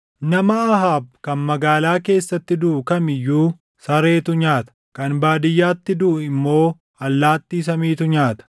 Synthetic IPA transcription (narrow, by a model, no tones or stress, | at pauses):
nɐmɐɐɦaːbkɐnmɐɡaːlaːke̞ːsːɐt̪ːɪd̪ʊʔʊkɐmɪjːuː | sɐɾe̞ːt̪ʊɲaːt̪ɐ̥kɐnbaːd̪ɪjːaːt̪ːɪd̪ʊʔʊɪmːo̞ː | ɐlːaːt̪ːiːs̬ɐmiːt̪ʊɲaːt̪ɐ̥